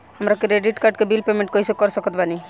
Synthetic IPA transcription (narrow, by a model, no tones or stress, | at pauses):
ɦəmɾakɾeɖiʈkaɾɖkebilpemẽɳʈkɔisekɔɾsɔkɔt̪̚bani